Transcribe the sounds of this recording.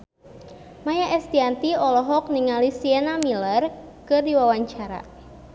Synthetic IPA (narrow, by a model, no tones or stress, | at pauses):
majaʔɛst̪iant̪iɔlɔɦɔk̚niŋalisiɛnamilər | kɨrdiwawaɲt͡ʃaɾa̰